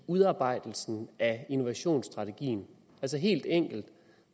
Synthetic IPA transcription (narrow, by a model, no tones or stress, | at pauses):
uðˠɑ̈ːb̥ɑ̈ɪ̰d̥l̩sn̩æino̝ʋæɕo̝̰ːnsd̥ʁɑ̈t͡sʰe̝ɡ̥ḭːn̩ | æls̬əɦe̝̰ːld̥eŋ̰ɡ̥l̩d̥